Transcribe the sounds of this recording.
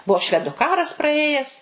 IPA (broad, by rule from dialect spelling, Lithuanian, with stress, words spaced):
ˈbuɔ ˈʃʲʋʲæːdʊ ˈkɑːrɐs prɐˈeːjɛs